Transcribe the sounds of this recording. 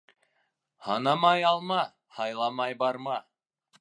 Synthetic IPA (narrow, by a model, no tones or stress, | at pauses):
hɑnɑmɑjɑlˠmɑ | hɑjlˠɑmɑjbɑɾmɑ